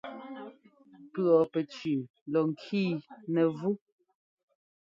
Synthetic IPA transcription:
pɰɔ˨pɛ˨t͡ʃʉ˨ | lɔ˨ŋ˨kʰiː˦˨nɛ˨vu˦

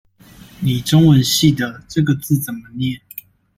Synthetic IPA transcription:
ni˨˩ʈ͡ʂʊ˦ŋwə˧˦nɕi˥˨d̪ə˩ʈ͡ʂɤ˥˩ɡə˨t͡sɹ̩˥˨t͡sə˨˩nmə˦njɛ˥˨n

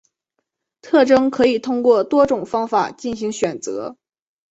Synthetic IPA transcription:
t̪ʰɤ˥˩ʈ͡ʂɤ˥ŋkʰɤ˧˥i˨˩t̪ʰʊ˥ŋkwɔ˥˩t̪wɔ˥ʈ͡ʂʊ˨˩ŋfɑ˥ŋfa˨˩t͡ɕi˥˩nɕi˧˥ŋɕɥɛ˨˩nt͡sɤ̰˧˥

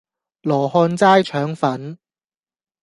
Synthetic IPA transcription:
lɔː˨˩hɔː˧nt͡saː˥jt͡ʃʰœː˨˥ŋfɐ˨˥n

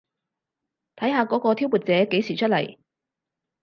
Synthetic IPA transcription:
t̪ʰɐ˨˥jɦaː˨˧kɔː˨˥kɔː˧t̪ʰi˥wmuː˨t̚t͡sɛː˨˥ke˨˥jsiː˨˩t͡ʃʰɵ˥t̚lɐ˨˩j

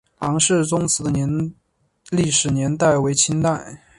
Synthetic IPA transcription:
lɑ˧˥ŋʂɻ̩˥˩t͡sʊ˥ŋt͡sʰɹ̩˧˥d̪ə˧njɛ˧˥n | li˥˩ʂɻ̩˨˩njɛ˧˥nt̪a˥˩ɪwe˧˥ɪt͡ɕʰi˥nt̪a˥˩ɪ

